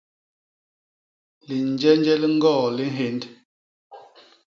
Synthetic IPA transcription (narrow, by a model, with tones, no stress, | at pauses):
li˨n˨d͡ʒɛ˦n˦d͡ʒɛ˦lŋ̩˦ɡɔː˦˨li˦nɦe˨˦nd